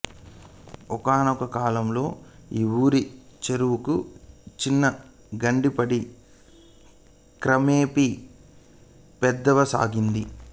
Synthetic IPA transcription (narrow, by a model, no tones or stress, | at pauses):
ɔkaːnɔkɐkaːlɐmlo̞ːiːwuːɾit͡ʃeɾuwukut͡ʃinːɐ | ɡɐɳɖipɐɽi | kɾɐmeːpi | pɛd̪ːɐʋɐsa̰ːɡind̪i